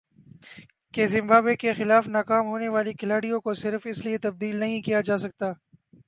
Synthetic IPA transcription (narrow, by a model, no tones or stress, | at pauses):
kezɪ̃mbaːbekexɪlaːfnaːkaːmɦoːneʋaːlikɪlaːɽijõkosɪɾfɪsliet̪ɐb̚d̪iːlnɐɦĩkijad͡ʒaːsɐk̚t̪aː